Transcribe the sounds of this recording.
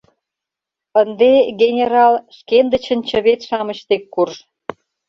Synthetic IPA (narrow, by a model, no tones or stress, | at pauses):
ənd̪eɡʲenʲeɾɑlʃkend̪ət͡ɕə̆nʲt͡ɕə̆βet̪ʃɑmə̆t͡ɕt̪ekːurʃ